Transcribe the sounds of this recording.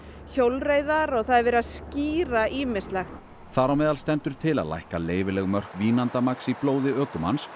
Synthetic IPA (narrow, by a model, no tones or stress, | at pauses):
çowlrejðaɾɔɣθaðɛɾvɛɾaðsciːɾaʔiːmɪ̥st̪laxt̪ | θaɾawmɛːðalst̪ɛnt̪ʏɾ̥t̪ʰɪla̰ðla̰jhkaleːjvɪlɛɣmœr̥kviːnant̪amaksiploːwðɪœːkʏma̰ns